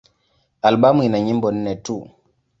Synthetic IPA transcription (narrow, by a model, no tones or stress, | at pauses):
alɓamuinaɲimbɔn̩nɛtu